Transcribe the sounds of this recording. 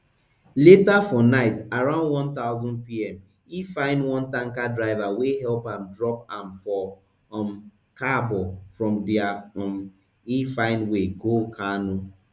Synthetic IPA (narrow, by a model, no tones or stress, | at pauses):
letafɔnaɪtaɾãʊ̃ndwɔ̃nt̪aʊzɔ̃nd̚piɛm | ifaɪ̃nwɔ̃ntaŋ̩kadɾaɪvaweɦɛlpam̩dɾɔp̚ãmfɔ | m | kabɔfɹɔ̃mdɪam | ifaɪ̃nweɡokʰanʊ